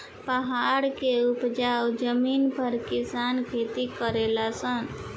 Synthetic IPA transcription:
pəɦaɽkeupd͡ʒawd͡ʒəminpʰəɾkisankʰet̪ikəɾelasən

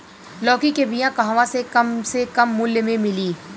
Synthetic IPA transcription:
lɔːkikebijãkɐɦãʋãsekɐmsekɐmːʊljmẽmɪliː

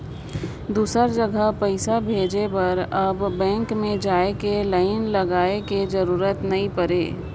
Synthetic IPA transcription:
d̪uːsəɾd͡ʒəɡəɦpəɪsabʱeːd͡ʒepɐɾɐbːɛ̃ːŋkmẽd͡ʒaːekeləɪnlɐɡaːeked͡ʒɐɾuːɾət̪nɐɦĩpɐɾḛː

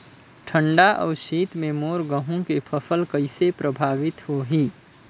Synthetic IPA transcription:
ʈʰəɳɖaʔɔ̰ːɾsiːt̪mẽmoːɾɡəɦũkepʰəpʰəlkəɪsepɾʔəbʱaːʋɪt̪hoɦiː

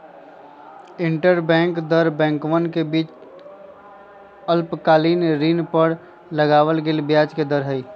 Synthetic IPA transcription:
ɪ̃ɳʈəɾbɛ̃ːŋkd̪əɾbɛ̃ːŋkʋənkebiːt͡ʃ | əlpkaːliːnɾiːnpəɽ | ləɡaːwəlɡelbjaːd͡ʒked̪əɾɦəiː

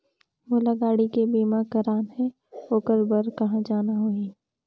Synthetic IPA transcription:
ʋoːlɐɡaːɽikebiːmakɐɾaːnɦɛ̃ | oːkəɾbəɾkɐɦãd͡ʒaːnaɦoiː

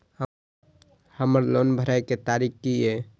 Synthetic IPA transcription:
həməɾlonbʱəɾajket̪aɾikkie

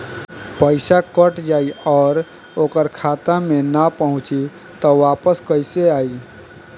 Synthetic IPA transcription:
pəɪsakəʈd͡ʒaːiɔːɾ | oːkəɾkʰat̪amenapəɦʊ̃t͡ʃi | t̪ɔʋaːpəskəɪseaːi

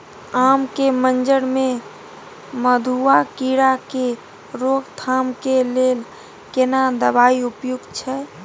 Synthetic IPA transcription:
amkemənd͡ʒəɽme | məd̪ʱuakiɾake | ɾoɡt̪ʰamkelel | kenad̪əbaiupjuɡt͡ʃʰɛ

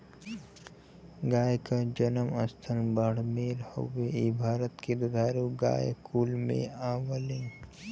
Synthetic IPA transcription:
ɡaːjkad͡ʒənəmə̰st̪ʰənbaɽ̤meːlho̰weibʱaːɾət̪ked̪ʊd̪ʱaːɾuɡa̰ːjkuːlmḛ̃aːʋəlɪn

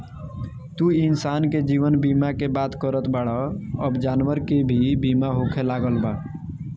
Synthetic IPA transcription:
t̪uinsanked͡ʒiʋənbimakebat̪kəɾət̪baɽaːbd͡ʒanʋəɾkebʱibimaɦokʰelaɡəlba

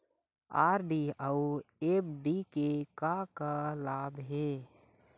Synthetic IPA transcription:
aːɾɖiauebɖikekakalaːbɦe

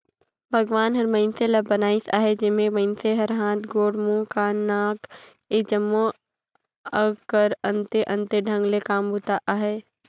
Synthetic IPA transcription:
bʱɐɡʋaːnɦɐɾmɐɪnselɐbːɐnaːisaːɦed͡ʒɪnmẽmɐɪnseɦɐɾɦãːt̪ʰɡoːɽmũkanaːk | ed͡ʒəmːo | əkəɾɐ̃nt̪eʔɐ̃nt̪eɖʱɐ̃ŋɡlekaːmbʱuːt̪aʔaːɦeː

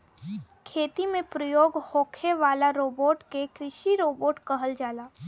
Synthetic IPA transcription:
kʰeːt̪imẽpɾəjoːɡhoːkʰeʋaːlaɾoːboːʈkekɾɪʃiɾoːboːʈkəɦəld͡ʒaːlaː

